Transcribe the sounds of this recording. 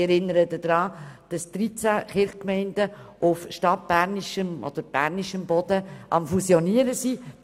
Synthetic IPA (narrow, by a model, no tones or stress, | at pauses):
ɛɾɪnːəɾətəd̥ɾɑːd̥ɑstɾit͡sæχɪɾχkmɛɪndəʔʊfʃtɑt̚b̥æɾniʃəmɔ̰d̥̪əɾb̥æ̰ːɾniʃəmbɔd̥əʔɑmfusjɔniəɾəsi